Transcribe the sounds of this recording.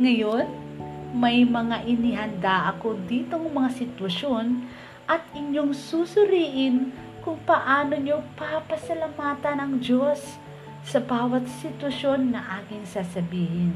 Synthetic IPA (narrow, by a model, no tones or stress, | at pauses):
ŋɐjo̞nmɐjmɐŋaʔɪnɪɦɐnd̪aʔɐko̞d̪iːt̪oŋmɐŋasɪt̪wɐʃo̞n | ʔɐt̪ɪɲjoŋsusʊɾiːʔɪn | kʊŋpɐʔaːno̞ɲopapɐsɐlamaːt̪ɐnɐŋd͡ʒosː | ɐbaːwɐt̪sɪt̪wɐʃo̞nːɐʔaːkɪŋsaːsɐbiːhɪn